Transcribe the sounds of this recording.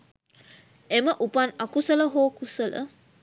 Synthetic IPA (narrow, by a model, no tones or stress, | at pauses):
eməʔupanakusələɦoːkusələ̰